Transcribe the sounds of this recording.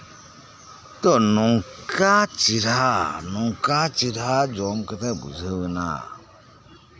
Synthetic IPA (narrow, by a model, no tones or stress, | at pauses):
tɔnuŋkat͡ʃithanuŋkat͡ʃithad͡ʒɔmkətabṵzəwəna̰